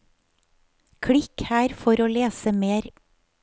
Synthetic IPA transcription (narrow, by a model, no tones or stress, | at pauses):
kʰɽɪkhæːɾfɔɾoːleːsəmeːɾ